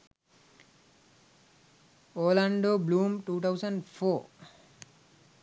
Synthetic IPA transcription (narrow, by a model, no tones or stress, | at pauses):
oːlãɳɖoːbluːmʈuːt̪ʰawsə̃ɳɖfoː